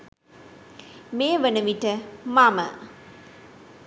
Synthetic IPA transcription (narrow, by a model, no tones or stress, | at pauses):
mejəʋənəʋiʈəmamə